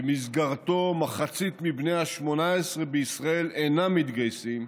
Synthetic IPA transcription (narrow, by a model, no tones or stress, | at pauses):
emizɡaʁt̪o̞maχat͡sit̪mibne̞jhaʃmo̞naesʁebeisʁae̞lejnamit̪ɡajsim